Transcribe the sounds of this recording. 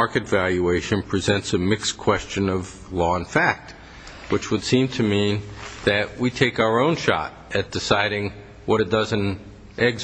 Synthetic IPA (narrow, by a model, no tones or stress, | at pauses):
ɑɹkɨtvælˠjʉeɪʃɨ̃npʰɹ̥izɛ̃ntsɨmɪkskʰw̥ɛst͡ʃɨ̃nʌv | lɔə̃nfæk̚t̚ | wɨt͡ʃwəd̥sĩmtʰɨmĩnðɨʔ̚witʰeɪkaʊə˞õʊ̃nʃɑ̰ɾ | ɨt̚d̥ɨsaɪɾɪ̃ŋ | wʌɾɨt̚d̥ʌzɨ̃n | ʔɛɡz